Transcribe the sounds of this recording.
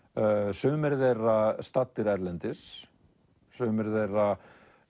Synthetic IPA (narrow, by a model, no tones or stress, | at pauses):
sʏːmɛɾðejrast̪at̪ːɪɾɛɾlɛnt̪ɪs | sʏːmɛɾðejra